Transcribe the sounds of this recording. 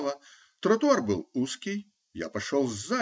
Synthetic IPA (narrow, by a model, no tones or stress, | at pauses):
lˠɐ | t̪ɾɔt̪uarbɨwˠuskʲi | ja̰pɐʂɔw̪ˠzːa